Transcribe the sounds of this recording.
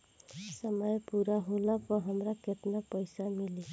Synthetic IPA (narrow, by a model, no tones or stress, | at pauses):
səməjpuɾaɦolapɔɦamɾaket̪napɔjsamili